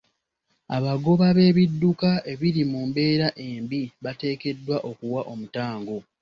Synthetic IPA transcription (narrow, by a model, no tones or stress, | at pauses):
aβaɡo̞βaβe̞ːβidːukaʔe̞βiɾimumbe̞ːɾaʔe̞ːmbiβate̞ːke̞dːwaʔo̞kuwaʔo̞mutaːŋɡo